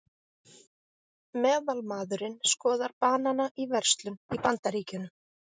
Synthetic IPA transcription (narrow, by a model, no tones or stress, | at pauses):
mɛːðalmaːðʏɾɪnskɔːðaɾpaːnanaʔivɛr̥st̪lʏnipant̪aɾiːcʏnːʏ